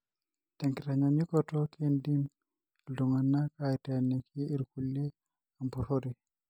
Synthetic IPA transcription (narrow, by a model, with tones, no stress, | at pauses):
tɛ˨ŋkiɾa˨ɲa˨ɲi˦kɔtɔ˦ke˦ndi˦m | ldo˨ŋa˨nːa˦kaɛtɛne˨kʰiː˦ɾku˨le˦ | a˨mbu˨hoɾi˨